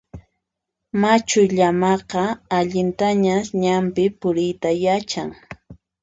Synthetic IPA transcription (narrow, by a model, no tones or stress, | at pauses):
mat͡ʃʊʎamɑqɑaʎɪnt̪aɲaɲampɪpʊɾɪjt̪ajat͡ʃaŋ